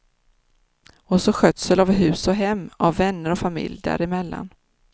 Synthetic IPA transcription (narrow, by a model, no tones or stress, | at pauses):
ɔsɔɧœt̪sɛlavɦʉ̟ːsɔɦɛmːavːɛnːəɾɔfamɪ̰ljd̪æ̰ːɾɪmɛlːa̰n